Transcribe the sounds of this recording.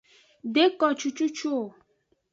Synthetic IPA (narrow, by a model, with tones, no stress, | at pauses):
de˦kɔ˨t͡ʃu˦t͡ʃu˦t͡ʃu˦o˨